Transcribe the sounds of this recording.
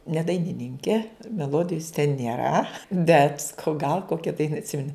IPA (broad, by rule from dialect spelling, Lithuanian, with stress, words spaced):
nʲɛ dɐɪnʲɪˈnʲɪŋʲkʲɛ mʲɛˈlˠoːdʲɪjʊs tʲɛn nʲeːˈrɐ bʲɛt sɐˈkɐʊ ɡɐlˠ ˈkoːkʲɛ ˈdɐɪnɐ ɐtʲˈsʲɪmʲɛnʲɪ